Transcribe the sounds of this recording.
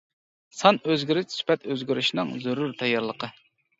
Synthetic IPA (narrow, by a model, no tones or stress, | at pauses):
sɑnøzɡʲiɾyt͡ʃsy̥pɛt̪øzɡʲyɾyʃnɨŋzyɾuɾt̪ʰɛjːɑɾlˠəqʰə